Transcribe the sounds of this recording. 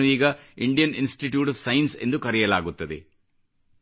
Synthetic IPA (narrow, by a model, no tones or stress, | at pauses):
ʋiːɡɐiɳɖijɐninsʈiʈjuːʈɐfsɐjnse̞̰nd̪ukɐɾɛjɐlaːɡut̪ːɐd̪e